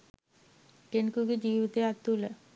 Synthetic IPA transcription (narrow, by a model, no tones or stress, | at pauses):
ʈenkuɡid͡ʒiːʋit̪eat̪ːulə